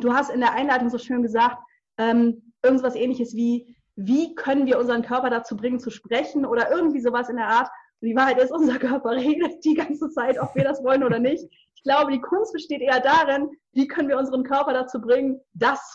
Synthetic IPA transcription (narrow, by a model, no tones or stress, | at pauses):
d̥uːɦastɪndeːɐʔaɪnlaɪtʊŋzoːʃøːnɡəzaːkt | ʔɛːmʔɪɐɡŋtz̥oːvasʔɛːnlɪçəsv̥iː | viːkʰœnənviːɐʔʊnzəʁənkʰœɐpɐdat͡suːbʁɪŋənt͡suʃpʁ̥ɛçn̩ʔoːɾɐʔɪɐɡŋ̩tv̥iːzoːvasɪndeːɐʔaːɐt | nd̥iːvaːɦaɪtɪstʔʊnzɐkʰœɐpɐʁeːdətd̥iːɡant͡sət͡saɪtɔpv̥iːɐɾasv̥ɔlənoːɾɐnɪçt̚ | ɪçɡ̥laʊbədiːkʰʊnst̚b̥əʃteːtʔeːɐdaːʁɪnviːkʰœnənviːɐʊnzəʁənkʰœɐpɐɾat͡suːbʁɪŋənd̥as